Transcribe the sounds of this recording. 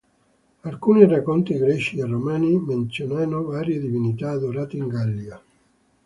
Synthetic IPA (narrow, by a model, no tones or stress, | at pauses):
alkuːnirakːɔnt̪iɡɾɛʃiaromɛniment̪sjonɛnːovaːɾjed̪ivinit̪aːd̪oɾaːt̪eiŋɡalːia